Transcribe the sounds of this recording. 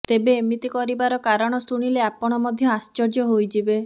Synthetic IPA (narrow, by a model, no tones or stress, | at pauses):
t̪ebeːmit̪ikɔɾibaɾɔkaɾɔɽ̃ɔsuɽ̃ileapɔɽ̃ɔmɔd̪ʱjɔast͡ʃɔɾd͡ʒɔɦojd͡ʒibe